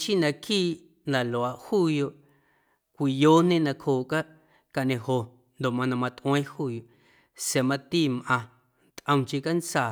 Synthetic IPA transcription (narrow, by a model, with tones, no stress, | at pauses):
t͡ʃi˦nã˧kiː˦˨ʔ | nã˨lo˨a˨ʔhuː˦˨jo˧ʔ | kʷi˨joː˦nẽ˦nã˧khoː˨ʔka˦ʔ | ka˨ʔnẽ˧ho˨ | nd̪o˨mã˧nã˧˨mã˧t̪ʔw̃ẽː˦huː˦jo˨ | se˨mã˧t̪iː˦˨mʔã˧ | t̪ʔə̃˧mt͡ʃi˧ka˦nt͡saː˨